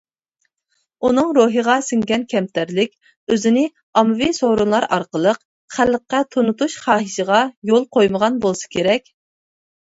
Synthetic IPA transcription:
unɨŋɾoɦəʁɑsɨŋɡʲɛnkʲʰɛmt̪ʰæɾlɪkʲ | øzɪnɪ | ɑmɨvisoɾunlˠɑɾɑ̰ɾqəlˠəq | χælːəqːɛt̪ʰonut̪uʃχɑːɦɨʃəʁɑjolˠqʰojməʁɑnbolˠsɨ̥kʲʰeɾɛkʲ

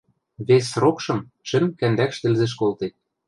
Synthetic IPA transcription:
βesrokʃɤ̆m | t͡ʃɘ̆mkænd̪ækʃt̪ɘ̆lzĕʃ̬kolt̪et̪̚

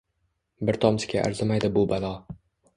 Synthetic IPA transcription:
bɪɾt̪ʰɒmsɪ̥kʲʰaʔa̰ɾzɪmajd̪ɪbʊbalˠɒ

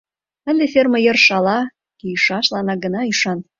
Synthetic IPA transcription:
ə̆nd̪efermə̆jə̆rʃɑlɑ | kiʃɑʃlɑnɑɡə̆nɑyʃɑn

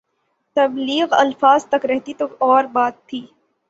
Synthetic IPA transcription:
t̪ɐbliːɣɐ̰lfaːzt̪ɐkɾɛɦt̪it̪oːɔːɾbaːt̪ʰːiː

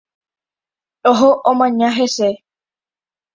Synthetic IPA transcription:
oɦoʔõmãɲãɦese

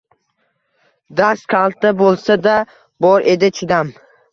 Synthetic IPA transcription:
d̪askʲʰalˠt̪abolˠsad̪a | bɒɾe̞d̪ɪt͡ʃʰɪd̪am

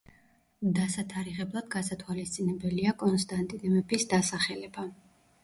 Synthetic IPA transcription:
d̪asat̪ʰaɾiʁɛblˠad̪̥ɡasat̪ʰwalist̪sʼinɛbɛliakʼɔnst̪ʼant̪ʼinɛmɛbisd̪asaχɛlɛba

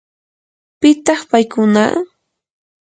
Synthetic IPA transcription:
pɪt̪ɑχpajkʊna̰

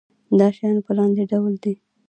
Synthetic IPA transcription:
d̪ɑʃajɑnpəlɑnd̪eɖawld̪i

